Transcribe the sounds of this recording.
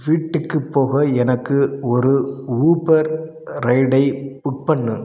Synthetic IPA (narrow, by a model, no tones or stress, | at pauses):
ʋiːʈːɯkːɯpːoːɣɐɛnɐkːɯɔɾɯuːpɐɾ | ɾɐɪɽɐɪbʊk̚pɐɳːɯ